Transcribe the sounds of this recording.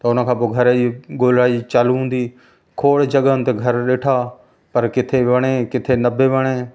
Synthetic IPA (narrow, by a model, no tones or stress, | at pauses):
t̪ɐʊnə̆kʰãːpoːɡʱɐɾiɡoːlɾaːit͡ʃaːluɦũːn̆d̪iː | kʰoːɽd͡ʒɐɠəənt̪eɡʱɐɾɗeːʈʰa | pɐɾkɪt̪ʰeʋɐɽ̃ekɪt̪ʰenɐbeʋɐɽ̃eː